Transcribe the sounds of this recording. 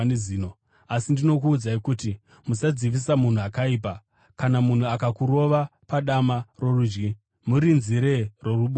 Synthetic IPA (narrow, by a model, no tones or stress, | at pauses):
neziːno | asindino̞kuːd͡zaikuti | musad͡ziʋis̬amun̤uakaiːp̬a | kanamun̤uakakuɾo̞ʋapaɗamaro̞rud͡ʒɡi | muɾinziɾe̞ro̞ruɓo